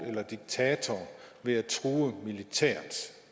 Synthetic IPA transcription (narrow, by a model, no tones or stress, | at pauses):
elɐd̥iɡ̥̚t͡sʰɛːt͡sʰɒʋe̝æt͡sʰʁuːəmilit͡sʰɛ̰ːɐns